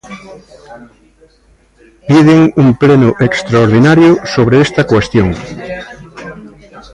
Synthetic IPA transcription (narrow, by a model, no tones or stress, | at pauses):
piðeŋumplenʊʔekst̪ɾaoɾð̞inaɾjʊsoβɾeest̪ɐkwest̪joŋ